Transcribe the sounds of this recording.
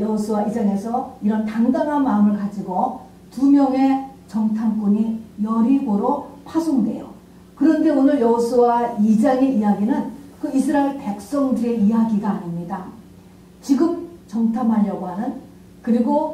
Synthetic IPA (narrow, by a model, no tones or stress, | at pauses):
jʌɦosʰuwaʔid͡ʑaŋe̞sʰʌiɾʌntaŋdamɦanmaɯmɯɭkad͡ʑiɡo | tumjʌŋe̞t͡ɕʌŋtʰamk͈oɲijʌɾiɡoɾopʰasʰoŋdwe̞̰jo̰ | kɯɾʌnde̞onɯɭjʌɦosʰuwaid͡ʑaŋe̞ijaɡinɯnkɯisʰɯɾaiɭpe̞k̚s͈ʌŋdɯe̞ijaɡiɡaːɲimɲida | t͡ɕiɡɯm̚t͡ɕʌŋtʰamɦaɭjʌɡoɦanɯn | kɯɾiɡo